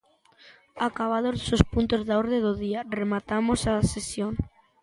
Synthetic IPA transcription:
akaβ̞aðosospunt̪ozðaoɾðeðoðiaremat̪amosasesjoŋ

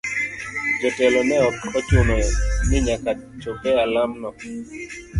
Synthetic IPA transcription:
d͡ʒɔtɛlɔmɛɔkɔt͡ʃʊnɔnɪɲakat͡ʃopɛalamnɔ

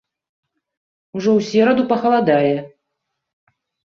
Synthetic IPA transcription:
uʐɔwsʲɛɾɐd̪upɐxɐlˠad̪alʲɛ

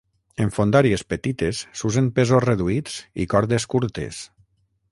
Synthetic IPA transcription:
eɱfond̪aɾiespet̪it̪esːuzempezosreðuit͡sḭkɔɾðeskuɾt̪ḛs

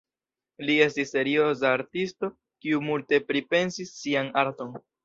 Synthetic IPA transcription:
lie̞stisːe̞ɾio̞s̬aːɾtisto̞ | kiumulte̞pɾipe̞nsisːianaɾto̞n

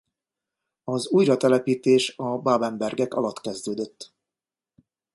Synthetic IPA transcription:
ɒzuːjrɒt̪ɛlɛpiːt̪eːʃɒbaːbɛmbɛrɡɛkɒlɒt̪kɛzd̪øːd̪øt̪ː

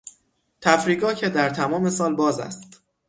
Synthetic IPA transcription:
t̪ʰæfɾiːɡɒːcʰed̪æɾt̪ʰæmɒːme̞sɒːlbɒːzæ̰st̪

